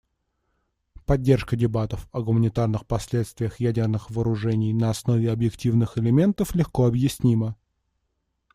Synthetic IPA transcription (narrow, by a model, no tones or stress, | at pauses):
pɐdʲːe̞rʂkədʲɪbat̪əfɐɡʊmənʲɪt̪arnɨxpɐsʲlʲe̞t̪st̪vʲɪjəxjædʲɪrnɨxvəːɾʊʐɛnʲɪjnəɐsno̞vʲɪɐbjɪktʲivnɨxɪlʲɪmʲe̞nt̪əflʲɪxkoɐbjɪsʲnʲimə